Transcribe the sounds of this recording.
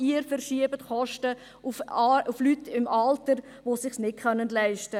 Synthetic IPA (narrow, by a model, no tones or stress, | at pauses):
iːɾfɛɾʃiəbətχɔʃtə | ufuflytːɪmʔɑltəɾ | ʋosɪχsnɪkχœnːəndlæɪʃtə